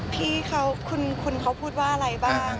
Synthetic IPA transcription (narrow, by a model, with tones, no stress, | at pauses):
pʰiː˥˩kʰa˧˥wkʰu˧nkʰu˧nkʰa˧˥wpʰuː˥˩t̪̚waː˥˩ʔa˧ɾa˧˩jbaː˥˩˧ŋ